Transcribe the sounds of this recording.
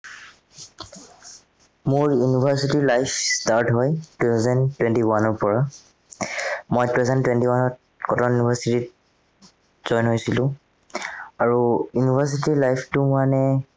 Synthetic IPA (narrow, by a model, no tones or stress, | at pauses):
mʊɹjunibʱaɹsitiɹlajpʰstaɹtɦɔjtutʰazɛntwɛntiwanɔɹpɔɹa | mojtuɛzɛntwɛntiwanɔt̚ | kɔtɔjunibʱaɹsitit̚ | z̥ɔjnɦojsilʊ̃ | aɹujunibʱas̬itiɹlajpʰtʊmanɛ